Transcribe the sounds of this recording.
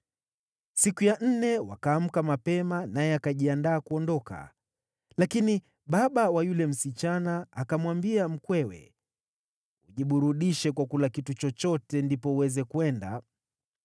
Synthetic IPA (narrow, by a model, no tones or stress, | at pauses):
sikujan̩nɛwa̰kaːm̩kamapɛmanajɛakaʄiandaːkuɔndɔka̰ | lakini | ɓaɓawajulɛm̩sit͡ʃanaakamwambiam̩kwɛwɛ̰ | uʄiɓuɾuɗiʃɛkwakulakitut͡ʃɔt͡ʃɔtɛndipɔuwɛzɛkuɛnda̰